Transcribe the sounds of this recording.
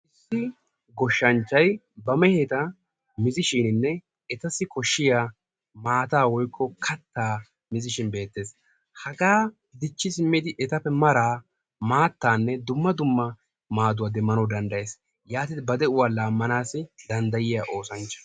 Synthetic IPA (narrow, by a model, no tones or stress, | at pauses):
ʔɪsːɪ | ɡɔʃːɐnt͡ʃːɐj | bɐmɛheːt̪ɐ | mɪzɪʃɪnɪnːɛ | ɛt̪ɐsːɪkɔʃːɪjaː | maːt̪aːwɔjkʰːɔkʰɐt̪ːaː | mɪzɪʃɪnbe̞ːt̪ːe̞ːs | hɐɡaː | d̪ɪt͡ʃːɪsɪmːɪd̪ɪʔɛt̪ɐpːɛmɐɾaː | maːt̪ːaːnːɛd̪ʊmːɐd̪ʊmːɐ | maːd̪ʊwaːd̪ɛmːɐnɔd̪ɐnd̪ɐje̞ːs | jaːt̪id̪bɐd̪ɛʊwaːlaːmːɐnaːsɪd̪ɐnd̪ɐjɪjaːʔo̞ːsɐnt͡ʃːɐ̥